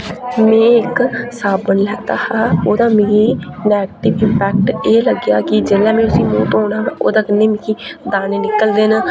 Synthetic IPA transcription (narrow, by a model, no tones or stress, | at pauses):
mẽːɪksaːbənlɛːt̪aːhaːoːd̪aːmeːɾiːnɛːɡʈɪʋɪmpɛːk̚ʈeːləɡjaːkɪd͡ʒɪlɛːmẽːʊsĩːmuːt̪ɦoːɽ̃aːɦɛːʔo̰ːd̪aːkɪneːmɪ̃kʰiːd̪aːneːnɪkəld̪eːn